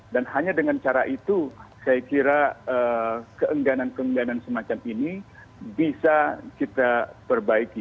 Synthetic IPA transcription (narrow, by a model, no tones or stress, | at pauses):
danɦaɲadəŋant͡ʃaɾaʔit̪usajakiɾaəkəʔəŋɡanankəəŋɡanansəmat͡ʃamini | bisakit̪apərbaiki